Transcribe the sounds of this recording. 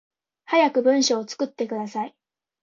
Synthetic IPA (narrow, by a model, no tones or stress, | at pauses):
hajakɯ̟bɯ̟̃ɰ̃ɕo̞ːt͡sɨ̥kɯ̟t̪ːe̞kɯ̟d̪asai